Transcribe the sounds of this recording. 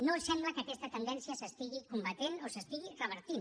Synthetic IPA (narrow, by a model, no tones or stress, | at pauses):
nosand̪uat̪ake̞st̪at̪end̪ensiasaspiɣikumbat̪enosaspiɣiraβeɾt̪in